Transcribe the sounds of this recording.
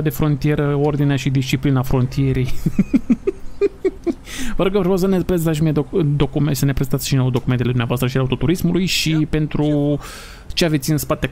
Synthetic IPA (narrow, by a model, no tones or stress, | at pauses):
d̪e̞fɾo̞nt̪ije̞ɾəo̞rd̪ineaʃid̪ist͡ʃiplinafɾo̞nt̪ije̞ɾej | vəɾoɡəvɾowsənepɾezet̪aʃ̬imieod̪o̞kumesəne̞pɾezent̪at̪ʃino̞wd̪o̞kume̞nt̪eled̪umnavoast̪ɾəʃileaut̪o̞t̪uɾismulujʃipe̞nt̪ɾu | t͡ʃeave̞t̪sʲɨnspat̪e̞